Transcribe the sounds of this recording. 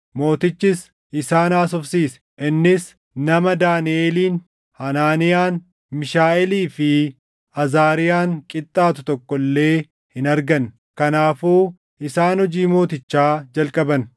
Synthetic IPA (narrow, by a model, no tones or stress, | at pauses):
mo̞ːt̪ɪt͡ʃːɪs | ʔɪsaːnaːs̬ɔfsiːs | ʔɪnːɪs | nɐmɐd̪aːnɪʔeːliːn | hɐnaːnɪjaːn | mɪʃaːʔɛliːfɪ | ɐzaːɾɪjaːŋkʼɪt̪ʼːaːt̪ʊt̪ɔkʼːɔlːe̞ː | hɪnɐɾɡɐn | kɐnaːfuː | ɪsaːnhɔd͡ʒiːmo̞ːt̪ɪt͡ʃːaːd͡ʒɐlkʼɐbɐn